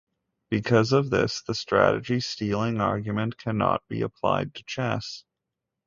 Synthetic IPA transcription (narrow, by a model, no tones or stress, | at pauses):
b̥ɨkʰʌzʌvðɪ̰sðəstɹ̥æ̰ɾɨ̰d͡ʒistilˠɪ̃ŋɑɹɡjɨmɨ̃nkʰænɑ̰t̚b̥ḭɨpʰl̥a̰ɪd̚tʰɨ̥t͡ʃʰæs